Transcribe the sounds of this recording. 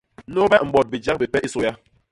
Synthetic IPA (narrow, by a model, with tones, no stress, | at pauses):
no˦bɛ˦ŋ͡m̩˨bɔ˨t̚bi˨d͡ʒa˦k̚bi˨pɛ˦ʔi˦so˦ja˦